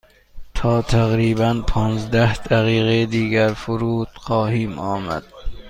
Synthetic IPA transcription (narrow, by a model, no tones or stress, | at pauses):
t̪ʰɒːt̪ʰæɣɾiːbænpʰɒːnzd̪æhd̪æɣiːɣejed̪iːɡæɾfʊɾuːt̪xɒːhiːmɒːmæ̰d̪̥̚